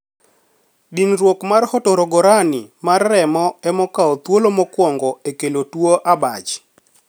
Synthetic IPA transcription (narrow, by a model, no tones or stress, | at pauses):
dinɾwokmarhɔtoɾɔɡɔɾanɪmarːɛmɔɛmɔkaɔt̪wolomɔkwɔŋɡɔekelotwoʔabat͡ʃ